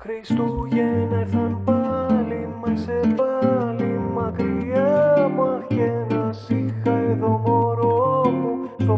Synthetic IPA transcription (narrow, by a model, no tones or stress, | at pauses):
xɾist̪uʝeneθɐnpɐlimesepɐlimɐkɾiɐmɐjenɐsixɐeðoɣoɾoomuto